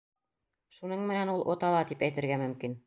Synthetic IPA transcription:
ʃunɤɴmɘ̆nænulˠʔŏt̪ɑlˠɑt̪ipæjt̪ɘ̆ɾɡæmɵ̆mkin

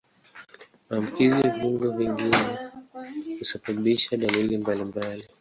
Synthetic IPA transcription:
maːmukizijaɓuŋɡɛviŋɡinɛ | husaɓaɓiʃaɗalilimbalimbali

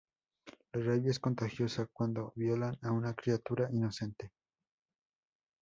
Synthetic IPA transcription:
loraβjesko̞nt̪axjo̞sakwand̪o̞βjolanaunakɾiat̪uɾaʔino̞se̞nt̪e

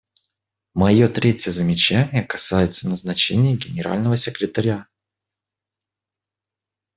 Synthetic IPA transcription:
mɐjo̞t̪ɾʲetʲjəzəmʲɪt͡ɕænʲɪjəkɐsajɪt̪sənəznɐt͡ɕenʲɪjəɡʲɪnʲɪɾa̰lʲnəvəsʲɪkɾʲɪt̪ɐɾʲa

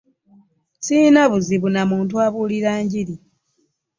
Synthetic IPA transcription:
siːnaβuziβunamuːntuaβuːliɾaːɲɟiɾi

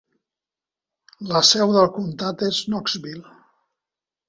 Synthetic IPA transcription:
ləsɛwðəlˠkunt̪at̪eznɔkzβil

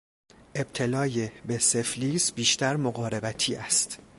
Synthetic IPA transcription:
ʔe̞b̥̚t̪ʰe̞lɒːjebese̞fliːsbiːʃt̪ʰæɾmoɣɒːɾe̞bæt̪ʰiːʔæst̪

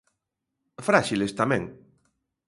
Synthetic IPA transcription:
fɾaʃilest̪amɛ̃ŋ

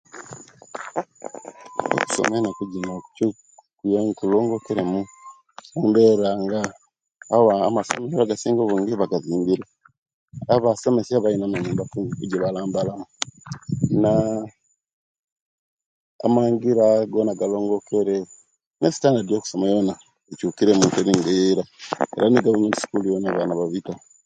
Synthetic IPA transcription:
o̰ku̥so̰menakuɟinoucu | kujoŋkuloːŋɡo̞keɾemu | uːmbeɾaːŋɡaː | waːmaso̰mesiβaɡasiːŋɡoβuːŋɡiβaɡaziːmbiɾe | aβaso̞me̞siaβainamaɲuːmbakuikuɟiβalaːmbalamu | na | maŋɡiɾaɡoːnaɡalo̞ːŋɡo̞kʰeɾe | nesi̥taːndaɾjo̞ːku̥somajona | ecukiɾemuteɾiŋɡeɾaḛɾaniɡaβumedisi̥kulujoneβanaβaβita

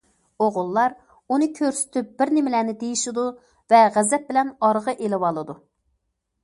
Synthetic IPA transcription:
oʁʊlˠːɑɾ | unɨkʲʰøɾsɪ̥t̪ʰyp̚b̥ɪɾnɪmɪlænɪd̪ejiʃɪd̪u | vɛʁæzɛt̪̚bɪlɛnɑɾʁəʔelɪwɑlˠɨd̪u

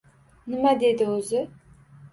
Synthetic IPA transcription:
nɪmad̪ed̪ɪɵzɪ

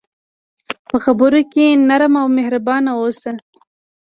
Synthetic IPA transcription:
pəxabəɾokenaɾmawmehɾabɑnawosa

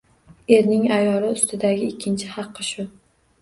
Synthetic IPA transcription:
e̞ɾnɪŋajɒlɪʊst̪ʰɪd̪aɡʲɪɪkʲʰːɪnt͡ʃʰɪhɑqʰːɨʃʊ

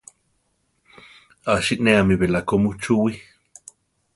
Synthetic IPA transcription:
aʃiʔneamiβelakomut͡ʃuwi

